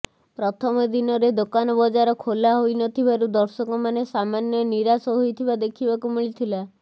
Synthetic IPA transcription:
pɾɔt̪ʰɔmɔd̪inɔɾed̪okanɔbɔd͡ʒaɾɔkʰolaɦojnɔt̪ʰibaɾud̪ɔɾsɔkɔmanesamanjɔniɾasɔɦojt̪ʰibad̪ekʰibakumiɭit̪ʰila

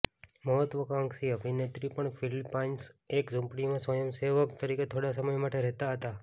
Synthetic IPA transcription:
məɦət̪ʋəkãŋksiəbʱinet̪ɾipəɳfilpansekd͡ʒũmpɽimãsʋəjəmseʋəkt̪əɾiket̪ʰoɽasəməjmaʈeɾɛɦt̪aɦət̪a

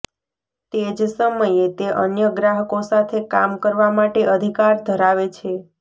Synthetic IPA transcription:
t̪ed͡ʒsəməjet̪eʔənjəɡɾaɦəkosat̪ʰekamkəɾʋamaʈeʔəd̪ʱikaɾd̪ʱəɾaʋet͡ʃʰe

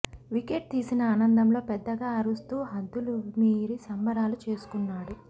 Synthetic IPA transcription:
ʋikeʈ̚t̪iːsinɐaːnɐnd̪ɐmlo̞ːpɛd̪ːɐɡaːɐɾust̪uːɦɐd̪ːulumiːɾisɐmbɐɾaːlut͡ʃe̞ːsu̥kunːaːɽu

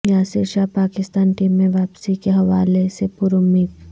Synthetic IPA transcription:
jaːseːʃapaːkɪst̪aːnʈiːmːẽʋaːpsikeɦɐʋaːlesepʊɾʊmiːt̪

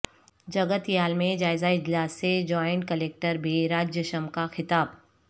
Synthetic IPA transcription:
d͡ʒɐɡət̪jaːlmẽd͡ʒaːɪzaɪd͡ʒlaːsːed͡ʒɔːɪ̃ɳʈ̚kəleːk̚ʈəɾbʱiɾaːd͡ʒjəʃəmkaxɪt̪aːb

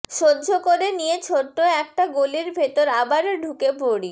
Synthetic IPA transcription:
ʃodːd͡ʑʱokoɾenijet͡ɕʰoʈːoɛk̚ʈaɡoliɾbʱet̪oɾabaɾɖʱukepoɽi

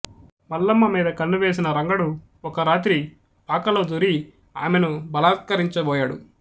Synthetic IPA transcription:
mɐlːɐmːɐmiːd̪ɐkɐnːuʋe̞ːs̬inɐɾɐŋɡɐɽu | ɔkɐɾaːt̪ɾi | paːkɐloːd͡ʒuɾi | a̰ːmenubɐlaːt̪̚kɐɾiɲt͡ʃɐbɔːjaːɽṵ

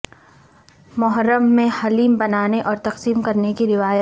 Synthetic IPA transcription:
mʊɦəɾəmːẽhɐliːmbɐnaːneʔɔːɾt̪ɐqsiːmkɐɾnekiɾɪʋaːjət̪

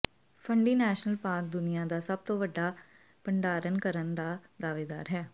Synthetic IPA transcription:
pʰəɳɖiːnɛːʃnəlpaːɾk̚d̪ʊnɪjãːd̪aːsəb̚t̪õːʋəɖːaː | pəɳɖaːɾənkəɾənd̪aːd̪aːʋeːd̪a̰ːɾɦɛː

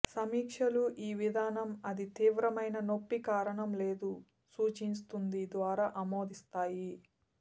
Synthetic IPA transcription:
sɐmiːkʂɐluʔiːʋid̪ʱaːnɐmɐd̪it̪iːʋɾɐmɐjnɐno̞pːikaːɾɐɳɐmle̞ːd̪u | suːt͡ʃinst̪und̪id̪ʋaːɾaːʔɐmo̞ːd̪ist̪aːji

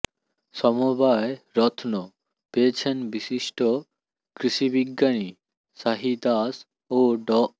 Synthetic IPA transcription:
ʃɔmobaeɾɔt̪ʰno | peet͡ɕʰenbiʃiʃʈo | kɾiʃibiɡːani | saɦid̪as | oɖɔ

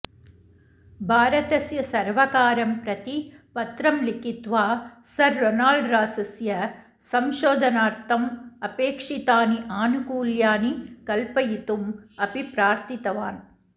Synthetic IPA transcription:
bʱaːɾɐt̪ɐsjɐsɐɾʋɐkaːɾɐmpɾɐt̪ipɐt̪ɾɐmlikit̪ʋaːsɐɾːɔnaːlɖɾaːsɐsjɐ | sɐmʃoːd̪ʱɐnaːɾt̪ʰɐmɐpeːkʂit̪aːniʔaːnukuːljaːnikɐlpɐjit̪umɐbipɾaːɾt̪it̪ɐʋaːn

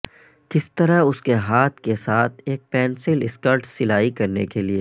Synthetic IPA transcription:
kɪst̪ɐɾaʊskeɦaːt̪ʰkesaːt̪ʰeːk̚pɛːnsɪlɪskəɾʈsɪlaːikɐɾnekelie

